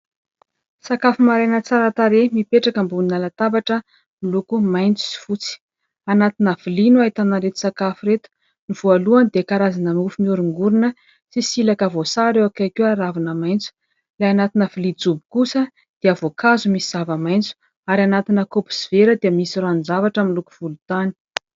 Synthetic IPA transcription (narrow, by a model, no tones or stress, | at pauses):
sakafumaɾajnət͡saɾat̪aɾemipeʈ͡ʂakəmbuninalat̪avaʈ͡ʂə | milukumajnt͡su̥si̥fut͡si̥ | anat̪inəv̥ilinuaɦit̪anaɾet̪u̥sakafuɾet̪u̥ | niv̥ualuand̪ekaɾazanəmufumiuɾuŋɡuɾinə | sisilakavosaɾewakakuaɾavanəmajnt͡su̥ | lajanat̪inəvilid͡zubi̥kusə | d̪̥eavokazumisiz̥avəmajnt͡su̥ | aɾianat̪inəkopu̥siveɾəd̪eəmisiranzavaʈ͡ʂəmiluku̥v̥ulut̪ani̥